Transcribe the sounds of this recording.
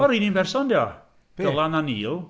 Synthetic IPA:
ɔɾininbɛrsɔndiɔ | ɡ̥əlˠananiːlˠ

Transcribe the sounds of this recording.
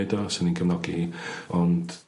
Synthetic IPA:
dɔsɪninɡʰəvnɔɡiiɔnd̥

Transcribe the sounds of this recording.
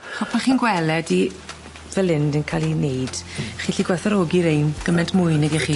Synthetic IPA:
aχɔspʰaχiːnɡwɛlɛdi | vɛlɪndənkʰalˠinejd̥χiːɬiɡwɛθaɾoːɡiɾejnɡ̥əmɛntʰmʊɨnɛɡɛχiː

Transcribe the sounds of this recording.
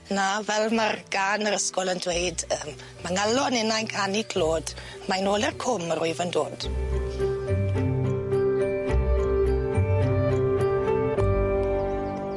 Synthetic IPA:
navɛlˠmarɡanəɾəskɔlˠəndwejdəm | maŋalˠɔnɪnajnkʰanikʰloːd̥ | majnoːlˠɛrkʰʊmərʊɨvəndoːd̥

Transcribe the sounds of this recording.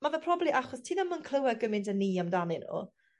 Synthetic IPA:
mavɛpʰrɔblˠiʔaχɔstʰiːnamənkʰl̥ˠəwɛɡəmɪntʰənːiːamdanɪnṵː

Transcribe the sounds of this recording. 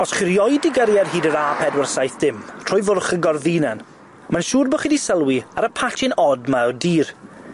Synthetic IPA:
ɔsχɪɾjɔjdɪɡəɾjarɦiːdəɾaːpʰɛdwərsajθd̥ɪmtʰr̥ʊːjðʊrχəɡɔrðinan | manʃuːrboχidisəlˠwiaɾəpʰatʰɪnɔdmaɔdiːr

